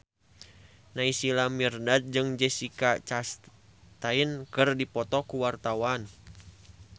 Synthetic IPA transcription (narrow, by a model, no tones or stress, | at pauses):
naisilamirnad̪̚d͡ʒɨŋd͡ʒɛsikat͡ʃas | t̪ainkɨrdipɔt̪ɔkuwart̪awan